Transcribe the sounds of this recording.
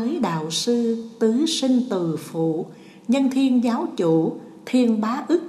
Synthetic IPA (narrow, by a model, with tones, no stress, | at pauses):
əː˨˦jɗa̰ː˧˨wsɨ˧t̪ɨ˨˦sï˧ŋ̟t̪ɨ˨˩fṵ˧˨ | ɲə˧nt̪ʰi˧ənzaː˨˦wt͡ɕṵ˧˩˨ | t̪ʰi˧ənɓaː˨˦ʔɨ˦˥k̚